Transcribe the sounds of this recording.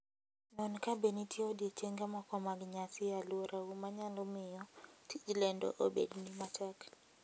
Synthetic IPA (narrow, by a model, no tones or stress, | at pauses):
nɔnkabenitʰjeodiet͡ʃeŋɡamakɔmaɡɲasɪjalwoɾʔaumaɲalɔmɪjɔtʰid͡ʒlɛndɔ̰ʔobḛdnimatʰɛk